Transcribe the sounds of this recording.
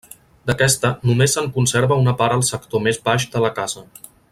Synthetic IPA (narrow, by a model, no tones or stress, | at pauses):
d̪əkɛst̪ənumesəŋkunseɾβəunəpaɾəlˠsəkt̪omezβaʒd̪ələkazə